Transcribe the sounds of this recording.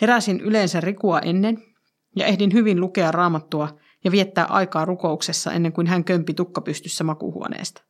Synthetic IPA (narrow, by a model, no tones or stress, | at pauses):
heɾæsinʔyleːnsærrikuɑʔe̞nːen | jɑ̰ʔe̞hdinɦyʋinluke̞ɑrrɑːmɑt̪ːuɑ | jɑʋie̞t̪ːæːʔɑ̰jkɑːrukouksesːɑ̰ʔḛnːeŋkunɦæŋkømpit̪ukːɑpyst̪ysːæmɑkṵhṵonḛːst̪ɑ̥